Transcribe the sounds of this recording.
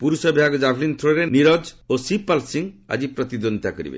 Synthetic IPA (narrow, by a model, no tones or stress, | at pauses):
puɾusɔbʱjaɡɔd͡ʒabʰʱlint̪ʰuɾɔɾeniɾɔd͡ʒosipalsiŋa̰d͡ʒipɾɔt̪id̪ɔnd̪akɔɾḭbḛ